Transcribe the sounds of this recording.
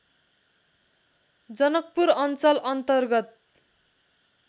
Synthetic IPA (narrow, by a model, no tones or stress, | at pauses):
d͡zʌnʌk̚puɾʌnt͡sʌlʌnt̪ʌrɡʌt̪̚